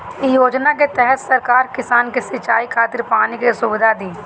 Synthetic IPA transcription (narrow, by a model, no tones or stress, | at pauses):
joːd͡ʒnak̬et̪ɛɦɛt̪sɐɾkaːɾkɪsaːnkesɪt͡ʃaːikʰaːt̪ɪɾpaːnikesʊbɪd̪ʱad̪ĩː